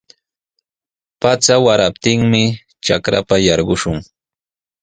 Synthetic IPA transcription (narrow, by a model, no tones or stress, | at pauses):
pat͡sawaɾap̚t̪ɪŋmɪ | t͡ʃakɾa̰pajɑɾɢʊʃʊŋ